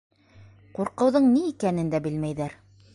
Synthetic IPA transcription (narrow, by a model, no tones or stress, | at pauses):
quɾqɤ̆wðɤɴniːkænɘ̆nd̪æbɘlmæjðæɾ